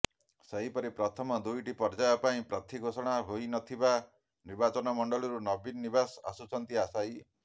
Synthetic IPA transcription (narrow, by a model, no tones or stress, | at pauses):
seɦipɔɾipɾɔt̪ʰɔmɔd̪ujʈipɔɾd͡ʒajɔpaĩpɾat̪ʰiɡʱosɔɽ̃aɦojnɔt̪ʰiba | niɾbat͡ʃɔnɔmɔɳɖɔɭɔɾunɔbinːibasa̰sut͡ʃʰɔnt̪iasaj